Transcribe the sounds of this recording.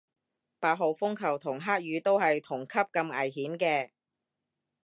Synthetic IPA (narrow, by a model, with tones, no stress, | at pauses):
paː˧t̚ɦo˨wfʊ˥ŋkʰɐ˨˩wt̪ʰʊ˨˩ŋɦaː˥k̚jyː˨˧t̪o˥wɦɐ˨jt̪ʰʊ˨˩ŋkʰɐ˥p̚kɐ˧mɐ̰˨˩jhiː˨˥mkɛː˧